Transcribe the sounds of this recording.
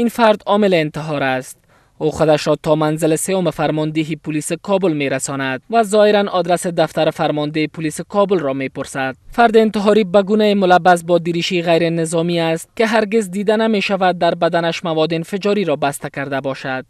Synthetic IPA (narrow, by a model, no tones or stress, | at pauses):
infaɾd̪ɒmɪleːnt̪ɪɦɒɾast̪̚ | oχod̪aʃɾɔt̪ɔmanzɪlɪsejomɪfaɾmɔnd̪eɦipʊlisɪkʰɒbʊlmeɾasɔnad̪̚vazɔɪɾanɔd̪ɾased̪aft̪aɾɪfaɾmɔnd̪eepʊlisɪkɔbʊlɾɔmepʊɾsad̪̚faɾd̪ɪːnt̪ɪɦɒɾibaɡunaemʊlabːas̬bɒd̪iɾiʃiɣajɾɪnɪzɔmiast̪̚kɪɦaɾɡezd̪id̪anameʃavad̪ːaɾbad̪anaʃmavɔd̪eɪnfɪd͡ʒɒɾiɾɔbast̪akaɾd̪abɔʃad̪̥̚